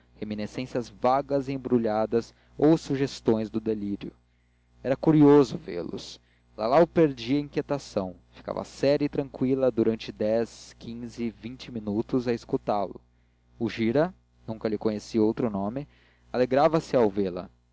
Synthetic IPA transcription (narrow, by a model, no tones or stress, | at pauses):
heminesẽsɐzvaɡɐziẽbɾuʎad̪ɐz | owsuʒest̪õj̃zd̪ʊd̪eliɾjʊ | ɛɾɐkuɾiozʊvḛɾlʊ̰s | la̰laʊpeɾd͡ʒiɐĩŋkʲjet̪asɐ̃w̃fi̥ka̰vɐ̰sɛɾɐit̪ɾɐ̃ŋkwilɐd̪uɾɐ̃nt͡ʃɪd̪ɛskʰĩzɪvĩnt͡ʃɪminut̪ʊzɐiskut̪alʊ̰ | uʒiɾɐ | nũŋkɐlɪkõɲesiowt̪ɾʊnõmɪ | aleɡɾavɐsɪawveɾlɐ̰